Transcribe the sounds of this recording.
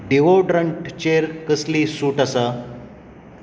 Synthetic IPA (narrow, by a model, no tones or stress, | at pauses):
ɖeʋoɖɾəɳʈt͡ɕeɾkəslisuːʈasa